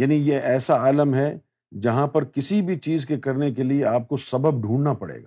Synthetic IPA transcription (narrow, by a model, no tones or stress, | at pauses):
jaːnijeʔɛːsaaːləmɦɛ | d͡ʒɐɦãpɐɾkɪsibʱit͡ʃiːzkekɐɾnek̬elieaːp̚kosɐbəb̚ɖʱũːɳnapɐɽḛːɡa̰ː